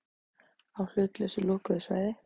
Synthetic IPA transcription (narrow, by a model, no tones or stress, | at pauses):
awl̥ʏt̪lœsʏlɔːkʏðʏsva̰ːjðɪ